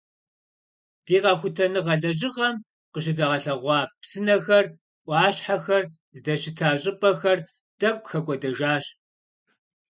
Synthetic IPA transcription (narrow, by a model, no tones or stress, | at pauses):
d̥iːʁɐxʷʊtʰɐnɨʁɐɮɐʑ̬ʼɪʁɐm | qəɕ̬ɪdɐʁɐɬɐʁʷɑːpsɨnɐxɐr | ʔʷɑːɕħaxɐr | zdɐɕɪtʰaːɕʼɪpʼɐxɐr | d̥ɐkʷʼxɐɡʷʼɔdɐʒaːɕ